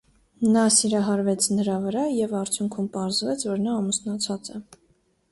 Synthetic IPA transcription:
nɑsiɾɑɦɑɾvɛt͡sʰnəɾɑvəɾɑjɛvɑɾt͡sʰjuŋkʰumpɑɾzvɛt͡sʰvɔɾnɑːmusnɑt͡sʰɑt͡sɛ

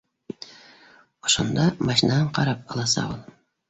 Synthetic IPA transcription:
oʃond̪ɑmɑʃinɑɑɴqʰɑɾɑp̚ɑlˠɑsɑ̰ulˠ

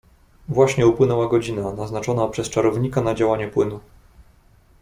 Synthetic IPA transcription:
vwaɕɲɛupwɘnɛwaɡɔd͡ʑinanaznat͡ʂɔnapʂɛst͡ʂaɾɔvɲikanad͡ʑawaɲɛpwɘnu

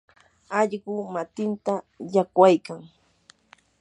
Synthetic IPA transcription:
aʎɢʊmat̪ɪnt̪a | jakwajkaŋ

